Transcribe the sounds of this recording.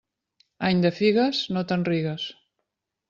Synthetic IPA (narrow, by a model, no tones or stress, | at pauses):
aɲd̪əfiɣəsnot̪ənriɣəs